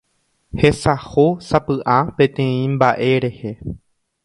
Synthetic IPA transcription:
he̞sahosapɨʔapẽ̞t̪ẽ̞ĩmbaʔe̞ɾe̞he

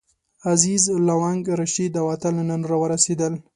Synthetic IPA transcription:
azizlawaŋɡɾaʃid̪awat̪alananoɾawəɾased̪əl

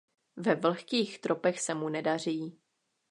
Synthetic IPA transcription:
vɛvl̩xkiːxt̪ɾʔopɛxsɛmunɛdar̝iː

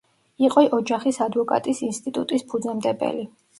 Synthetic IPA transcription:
iqʼɔʔɔd͡ʒaχisad̪vɔkʼa̰t̪ʼisinst̪ʼit̪ʼut̪ʼispʰud̪zɛmd̪ɛbɛ̰li

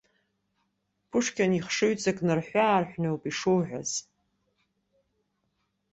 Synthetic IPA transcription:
pʰʊʂkʲʰaniχʂɨɥt͡sʼakʼnɨrħʷaːrħʷnowpʼiʂuwʕʷᶣa̰z̥

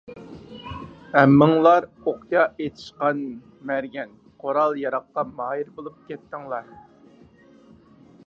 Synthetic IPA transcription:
æmːɪŋlˠɑɾ | oq̪jɑʔet̪ʰɪ̥ʃqɑn | mæɾɡʲɛn | qʰoɾɑlˠjɑɾɑqːɑmɑːjiɾbolˠup̚kʲʰɛt̪ːɪŋlˠɑɾ

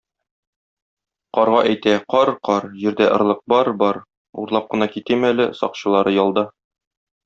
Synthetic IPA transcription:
qɒɾʁɑʔæjt̪æqɒɾqɒɾʑĭɾd̪æʔɤ̆ɾlˠɤq̚bɒɾbɒɾ | ṵɾlˠɑp̚qɤ̆nɑkit̪ɘmælɘsɒ̰qɕɤ̆lˠɑɾɤjɒlˠd̪ɑ

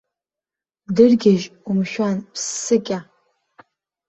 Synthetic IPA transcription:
dɨrɡʲɪʒumʃᶣanpʰsːɨkʲʼa

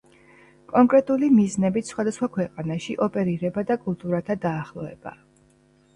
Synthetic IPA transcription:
kʼɔŋkʼɾɛt̪ʼulimiznɛbit̪ʰsχwad̪asχwakʰwɛqʼanaʃḭʔɔpʼɛɾiɾɛbad̪akʼulˠt̪ʼuɾat̪ʰad̪aːχlˠɔvɛ̰ba̰

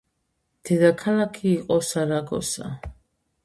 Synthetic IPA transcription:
d̪̥ɛd̪akʰalakʰiːqʼɔsaɾaɡɔ̰sa̰

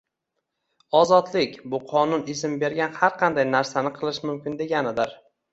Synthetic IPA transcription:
ɒzɒt̪lɪkʲbʊqʰɒnʊnɪsɪmbe̞ɾɡʲanhaɾqʰɑnd̪ajnaɾsanɪqʰɨlˠɪʃmʊmkʲɪnd̪e̞ɡʲanɪd̪ɪɾ

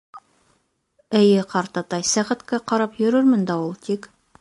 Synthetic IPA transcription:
ɘ̆jɘqɑɾt̪ɑt̪ɑjsæʁæ̆t̪kæqɑɾɑpjɵ̆ɾɵɾmɘ̆nd̪ɑulˠt̪ik

